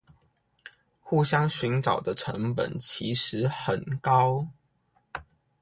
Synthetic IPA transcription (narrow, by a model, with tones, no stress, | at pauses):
xu˥˨˩ɕjɑ˥ŋɕy˨˥nʈ͡ʂɑ˨˩ʊd̪ə˦ʈ͡ʂʰə̰˧˦˥ŋpə̰˨˩nt͡ɕʰi˧˥˦ʂɻ̩˨˦xə˨˩nkɑ˦ʊ